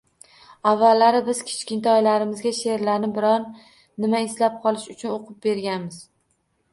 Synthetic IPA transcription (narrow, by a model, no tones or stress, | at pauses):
avːalːaɾɪbɪzkʲʰe̥t͡ʃkʲɪnt̪ɒjlaɾɪmɪzɡʲaʃe̞ɾlaɾnɪbɪɾɒnː | ɪmaɪslap̚qʰɒlˠɪʃʊt͡ʃʰʊnoqʰʊp̚be̞ɾɡʲanmɪz̥